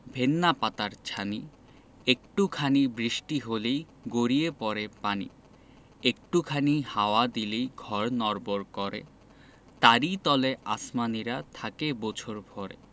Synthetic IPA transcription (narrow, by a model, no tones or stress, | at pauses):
bʱenːapat̪aɾt͡ɕʰani | ek̚ʈukʰanibɾiʃʈiɦolej | ɡoɾiepɔɾepanḭ | ek̚ʈukʰanihaoad̪ilejɡʱɔɾnɔɾboɾkɔɾḛ | t̪aɾit̪ɔleʔasmaniɾat̪ʰakebɔt͡ɕʰoɾbʱɔɾḛ